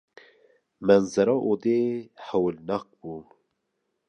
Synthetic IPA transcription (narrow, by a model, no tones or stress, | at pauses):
mɛnzɛɾɑːʔod̪eːhɛwlnɑk̚buː